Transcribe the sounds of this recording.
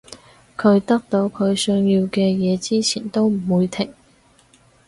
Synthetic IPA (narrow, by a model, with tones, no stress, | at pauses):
kʰɵ˨˧ɥt̪ɐ˥k̚t̪o˨˧wkʰɵ˨˧ɥsœ˥ŋjiː˧wkɛː˧jɛː˨˧t͡siː˥t͡sʰiː˨˩nt̪o˥wm̩˨˩wuː˨˧jt̪ʰɪ˨˩ŋ